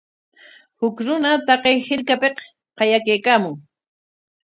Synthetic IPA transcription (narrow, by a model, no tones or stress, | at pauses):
hʊkɾʊnat̪ɑqejhɪlkapeq | qɑjakejkaːmʊŋ